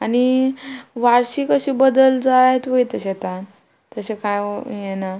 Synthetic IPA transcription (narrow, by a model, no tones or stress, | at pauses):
ani | ʋaɾɕiːkəɕiːbəd̪əld͡zajt̪ʋəjt̪əɕet̪an | t̪əɕekajjena